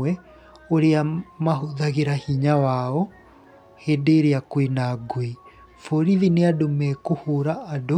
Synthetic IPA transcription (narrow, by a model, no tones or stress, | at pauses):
ɛ | oɾeamaɦoðaɣeɾahiɲawaɔ | hedeːɾeakwenaɡoi | foɾiðineadomɛkohoːɾaːdo